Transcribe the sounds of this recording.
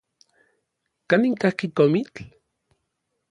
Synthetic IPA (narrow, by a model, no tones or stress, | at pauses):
kaniŋkahkikomit͡ɬ